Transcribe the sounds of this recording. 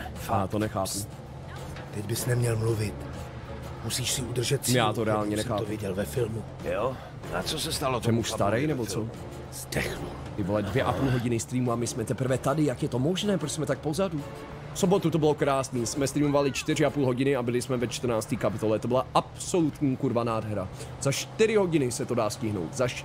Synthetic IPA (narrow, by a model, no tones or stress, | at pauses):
jaːt̪o̞nɛxaːpu | t̪ɛɟbɪsnɛmɲɛlmluvɪt̪ | musiːʃsɪud̪r̩ʒɛt̪sjaːt̪oɾɛaːlɲɛnɛxaːovvɪɟɛlvɛfɪlmu | jo | nat͡sosɛst̪alot̪ɛmuʃsst̪aɾɛjnɛboo̥ | dɛxlu | ɪvolɛdvjɛʔapuːlɦo̞ɟɪnɪst̪ɾiːmuamɪsmɛt̪ɛpr̩vɛt̪adɪjakjɛt̪o̞moʒnɛːpɾosmɛt̪ak̚po̞zadu | fso̞bo̞t̪ut̪o̞bɪlokɾaːsniːsmɛst̪ɾiːmo̞valɪt͡ʃt̪ɪrɪapuːlɦo̞ɟɪnɪabɪlɪsmɛvɛt͡ʃt̪r̩naːt͡st̪iːkapɪt̪o̞lɛt̪obɪlaʔapso̞lut̪ɲiːkuɾvanaːdɦɛɾaz̥aʃt̪ɪɾɪɦo̞ɟɪnɪsɛt̪o̞daːscɪɦno̞̰wt̪zaʃ